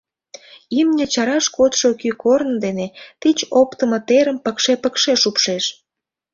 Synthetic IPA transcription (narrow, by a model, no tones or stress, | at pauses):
imnʲə̆t͡ɕɑɾɑʃkot̪ʃokykornd̪enet̪it͡ɕopt̪əmə̆t̪eɾəmpəkʃepəkʃeʃupʃeʃ